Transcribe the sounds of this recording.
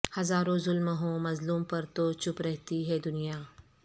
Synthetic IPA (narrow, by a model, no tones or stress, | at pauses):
hɐzaːɾõzʊlməɦõmɐzluːmpəɾt̪ot͡ʃupɾəɦt̪iɦed̪ʊnija